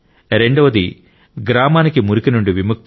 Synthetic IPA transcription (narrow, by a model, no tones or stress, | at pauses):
ɾe̞ɳɖuʋɐd̪i | ɡɾaːmaːnikimuɾukinuɳɖiʋimuk̚t̪